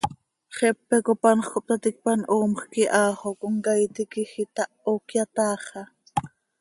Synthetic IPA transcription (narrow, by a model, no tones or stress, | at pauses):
χɛpːɛkopɑnχkop̚t̪ɑt̪ɪk̚pɑnʔoːmχkiʔɑːχokoŋkɑjt̪ikixit̪ɑʔokjat̪ɑːχɑ